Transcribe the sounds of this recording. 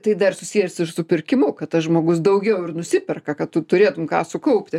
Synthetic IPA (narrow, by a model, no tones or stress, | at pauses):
t̪ɐɪd̪ɐrsʊsʲiːjɛsɪʃsʊpʲɪrʲkʲɪmʊkɐt̪̚t̪ɐsʒmoːɡʊsd̪ɐʊɡʲɛʊɪrnʊsʲɪpʲɛrkɐkɐtt̪ʊt̪ʊɾʲeːt̪ʊmkɑ̰ːsʊkɐʊpʲt̪ʲɪ